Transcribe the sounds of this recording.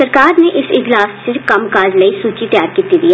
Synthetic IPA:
səɾkaːɾneʔɪsɪd͡ʒlaːssɪkɐmkaːd͡ʒləisuːt͡ʃit̪jaːɾkiːt̪id̪iː

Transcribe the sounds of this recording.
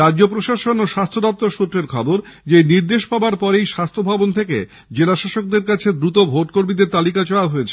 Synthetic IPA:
ɾad͡ʑopɾoʃaʃonoʃast̪ʰod̪ap̚t̪oʃut̪ɾeɾkʰɔboɾd͡ʑejniɾd̪eʃpaoaɾpɔɾejʃast̪ʰobʱabont̪ʰekḛ | d͡ʑelaʃaʃok̚d̪eɾkat͡ɕʰed̪ɾut̪obʱoʈkoɾmid̪eɾt̪alikat͡ɕɔlaɦoet͡ɕʰe

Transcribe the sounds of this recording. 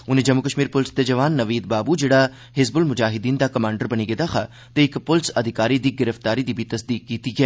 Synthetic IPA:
ʊnẽːd͡ʒɐmːʊkəʃmiːɾpʊlɪsd̪ed͡ʒɐʋaːnːɐʋiːd̪̚baːbud͡ʒeːɽa | ɦɪzbʊlmʊd͡ʒaːɦɪd̪iːnd̪akɐmãːɳɖəɾbɐñiɡed̪axʰaː | t̪eɪkpʊlɪsɐd̪ʱɪkaːɾid̪iːɡɪɾəft̪aːɾid̪ibʱit̪ɐsd̪iːkːiːt̪iɡɛː

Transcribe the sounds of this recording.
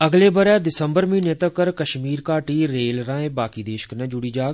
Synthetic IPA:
əɡleːbəɾɛːd̪ɪsəmbəɾmĩːnẽːt̪əkəɾkəʃmiːɾkaːʈiːɾeːlɾãːẽːbaːkiːd̪eːʃə̥knɛ̃ːd͡ʒʊɽiːd͡ʒaːɡ

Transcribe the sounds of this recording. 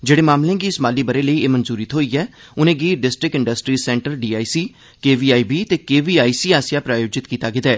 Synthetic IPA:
d͡ʒeːɽeːmaːmlẽːɡiːɪsmaːliːbəɾeːləiːeːmənzuːɾɪt̪ɦoːiːɛː | ʊnẽːɡiːɖɪsʈɾɪkɪ̃ɳɖəsʈɾiːsɛ̃ːɳʈəɾɖiːaːisiː | keːʋiːaːiːbiːt̪eːkeːʋiːaːiːsiːaːsɪjaːpɾaːjoːd͡ʒɪt̪kiːt̪aːɡɪt̪ɛː

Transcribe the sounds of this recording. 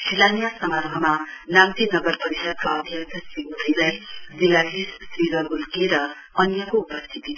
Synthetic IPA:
silanijasʌmarɦʌmanaŋt̪inʌɡʌrpʌɾisʌd̪̚kaʌb̪ʱjʌt̪ʰʌsiɡuɾilajziladissriɡʌɾulkeɾʌ | ʌnjʌkoupʌst̪ʰit̪i

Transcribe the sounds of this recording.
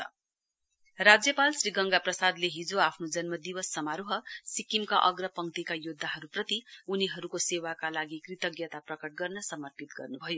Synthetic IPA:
rad͡zjʌpalsriɡʌŋɡaprʌsad̪leɦid͡zoapʰnod͡zʌnmʌd̪iwʌsːʌmaɾuɦʌsikimkaʔʌɡrʌpʌŋt̪ikajod̪ʱːaɦʌɾuprʌt̪iuniɦʌɾukosewakalaɡikrit̪ʌɡjʌt̪aprʌkʌʈ̚ɡʌrnʌsʌmʌrpit̪ɡʌrnubʱʌjo

